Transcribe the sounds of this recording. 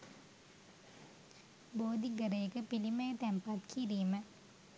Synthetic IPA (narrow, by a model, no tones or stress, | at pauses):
boːd̪iɡəɾəjəkəpiliməjət̪ɛmpat̪kʰiɾiːmə